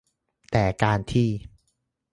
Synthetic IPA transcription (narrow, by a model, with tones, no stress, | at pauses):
t̪ɛː˨˩kaː˧nt̪ʰiː˥˩